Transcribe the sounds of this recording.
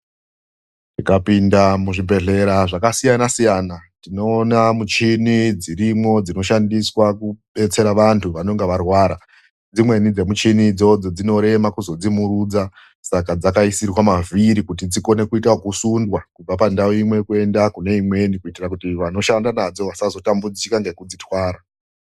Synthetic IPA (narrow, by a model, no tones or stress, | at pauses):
tikapindamuʐibe̞ɮe̞ɾaʐakasijanasijanatino̞ːnamut͡ʃinid͡ziɾimŋo̞d͡zino̞ʃandiswakuɓe̞t͡se̞ɾaʋantʰuʋano̞ŋɡeʋarwaːɾa | d͡zimwe̞nid͡ze̞mut͡ʃinid͡zo̞d͡zo̞d͡zino̞ɾe̞makuzo̞d͡zimuɾud͡za | sakad͡zakaisirwamaviɾikut̬id͡ziko̞ne̞kuitwakusundwakub͡vapandaoimwe̞kue̞ndakune̞imwe̞nikuitirakutiʋano̞ʃandanad͡zo̞ʋasazo̞tambud͡zikaŋɡekud͡zitwaːɾa